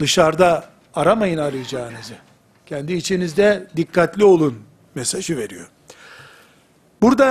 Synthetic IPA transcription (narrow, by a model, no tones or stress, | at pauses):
d̪ɯʃaɾd̪aː | ɾamajɯnaɾɯjd͡ʒaːɯnɯzɯ | cʰɛnd̪iːt͡ʃʰinizd̪ɛd̪ikʰːat̪lʲio̞lˠun | mesaʒɯve̞ɾijo̞̰ | buɾd̪a